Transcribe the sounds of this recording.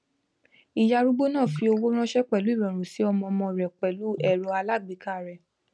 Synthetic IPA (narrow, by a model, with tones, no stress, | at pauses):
i˨ja˧ɾu˦ɡ͡bo˦nãː˦˨fi˧˦o˧wo˦ɾ̃ã˦ʃɛ˦k͡pɛ˨lu˨˦i˦˨ɾɛ˨ɾ̃ũ˨si˨˦ɔ˧mɔ̃˧mɔ̃˧˨ɾɛ˨k͡pɛ˨lu˨˦ɛ˦˨ɾɔ˨˧˦a˧la˦˨ɡ͡bi˨˦ka˦˨ɾɛ˨